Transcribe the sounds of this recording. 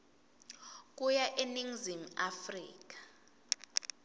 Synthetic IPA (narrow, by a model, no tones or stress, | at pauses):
k̬ʼujaʔeniŋzim̩afrḭːk̬ḁ